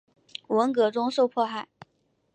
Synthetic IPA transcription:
wə˧˥ŋkɤ˧˥ʈ͡ʂʊ˥ŋʂo˥˧ʊpʰwɔ˥˧xa˥˩ɪ

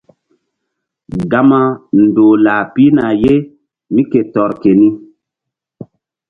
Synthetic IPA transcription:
ɡa˦ma˦ndoː˨laː˨pi˦na˨je˦ | mi˦ke˨tɔ˨ɾke˨ni˦

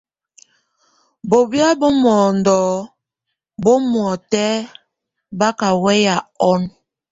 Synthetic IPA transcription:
bo˨bja˦bo˦mɔ˨ndɔː˨ | bo˦mwɔ˨tɛ˦ | ba˦ka˨wɛ˦ja˨ɔ˦n

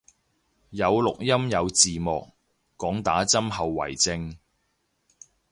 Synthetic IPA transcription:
jɐ˨˧wlʊ˨k̚jɐ˥mjɐ˨˧wt͡siː˨mɔː˨k̚ː | ɔː˨˥ŋt̪a̰ː˨˥t͡sɐ˥mɦɐ˨wːɐ̰˨˩jt͡sɪ˧ŋ

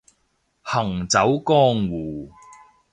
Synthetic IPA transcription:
hɐ˨˩ŋt͡sɐ˨˥wkɔː˥ŋwuː˨˩

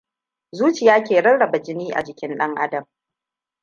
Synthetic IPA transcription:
zuː˦t͡ʃɪ˨jaː˦kʲeː˨ɽɐ˦nɽɐ˨ba˨d͡ʒɪ˦niː˦ʔa̰˨d͡ʒɪ˨kʲɪ˦nɗɐ˦ŋʔa̰˦dɐ˨m

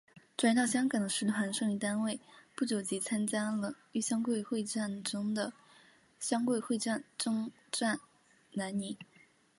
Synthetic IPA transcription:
ʈ͡ʂwa˨˩n˥t̪ɑ˥˩ʊɕjɑ˥ŋkɑ˨˩ŋd̪ə˦ʂɻ̩˧˥ʈ͡ʂʰwa˧˥nʂɤ˥˧ŋy˥˩t̪a˥nwe˥˩ɪpu˥˩t͡ɕjo˨˩ʊt͡ɕi˧˥t͡sʰa˥nt͡ɕja˥lə˨ | y˥˩ɕjɑ˥ŋkwe˥˧ɪxwe˥˧ɪʈ͡ʂa˥˩nʈ͡ʂʊ˥ŋd̪ə˨ | ɕjɑ˥ŋkwe˥˧ɪxwe˥˧ɪʈ͡ʂa˥˩nʈ͡ʂʊ˥ŋ | ʈ͡ʂwa˥˩n | na˧˥nni˧˥

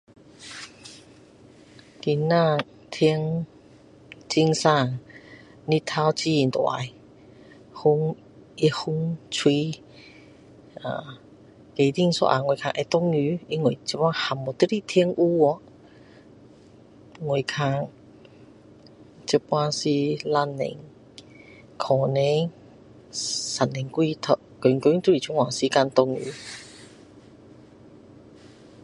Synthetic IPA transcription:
ki˧nːã˧˨ | t̪ʰi˧əŋ | t͡ɕi˧ŋsa˧˩˨ŋ | ni˧t̪ʰːa˧wt͡ɕi˧i˨nt̪wa̰˨˧˨j | hu˧˦ŋ | i˧hu˧ŋt͡sʰwi˧ | a̰˨ | ke˨d̪i˧˨ŋsɔ̰˧ʔa̰˨ŋwe˨˩˨kʰa̰˧ŋʔe˧t̪ɔ˧ŋy˧˦i˧ŋwe˨t͡ɕpwa˧˦ha˨˩mːɔ˨t̪i˦˥ɾi˧t̪ʰi˧əŋʔu˧ɔ˧˦ | ŋo˨˩jkʰa˧ŋ | t͡ɕi˧˥pwa˦˧si˧la˧nːḛ˨ŋ | kʰɔ˨˩ne˧˦ | sa˨˩nne˨ŋkwi˧t̪ʰə˧ʔko˨˩˨ŋku˧˦ŋt̪u˧˥ɾi˨t͡ʃʰu˧˦ŋwa˨˩ŋsi˧˦ka˧nt̪ʊ˧ŋy̰ː˧˦

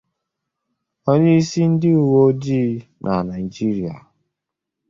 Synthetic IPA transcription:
ɔ˦ɲi˦i˦si˦n̩˦dɪ˦u˨wo˦di˦nʔa˨na˨i˨d͡ʒi˦ɾi˨a̰˨

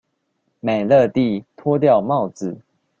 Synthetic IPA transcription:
ma˨˩ɪlɤ˥˧t̪i˥˨t̪ʰwɔ˦t̪̬jɑ˥˨ʊmɑ˥˨ʊt͡sɹ̩˨˩˦

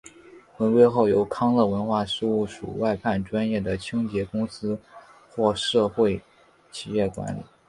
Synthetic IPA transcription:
wə˧˥nkwe˥ɪxo˥˩ʊjo˧˥ʊkʰɑ˥ŋlɤ˥˩wə˧˥nxwa˥˩ʂɻ̩˥˧u˥˩ʂṵ˨˩wa˥˧ɪpʰa˥˩nʈ͡ʂwa˥njɛ˥˩d̪ə˩t͡ɕʰi˥ŋt͡ɕjɛ˧˥kʊ˥ŋsɹ̩˥ | xwɔ˥˧ʂɤ˥˧xwe˥˩ɪ | t͡ɕʰi˨˩jɛ˥˩kwa̰˧˥nlḭ˨˩˦

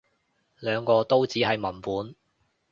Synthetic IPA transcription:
lœː˨˧ŋkɔː˧t̪o˥wt͡siː˨˥hɐ˨jmɐ˨˩npuː˨˥n

